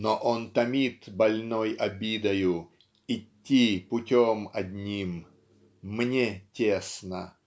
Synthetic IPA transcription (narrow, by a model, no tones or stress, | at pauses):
noʔont̪ɐmʲit̪bɐlʲnojɐbʲid̪ɐjʊ | ɪtʲːipʊtʲomɐd̪ʲnʲimː | nʲetʲesnə